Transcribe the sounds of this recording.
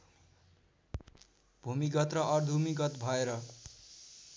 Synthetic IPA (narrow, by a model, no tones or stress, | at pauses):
b̥ʱumiɡʌt̪rʌʔʌrd̪ʱumiɡʌt̪bʱʌeɾʌ